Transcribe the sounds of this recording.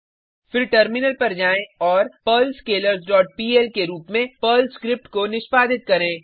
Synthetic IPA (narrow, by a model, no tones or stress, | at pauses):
fɪɾʈəɾmɪnəlpɐɾd͡ʒaːẽɔːɾpɐlskeːləɾsɖɔːʈ̚piːelkeɾuːpmẽpəlskɾɪp̚ʈkonɪʃpaːd̪ɪt̪̚kɐɾẽː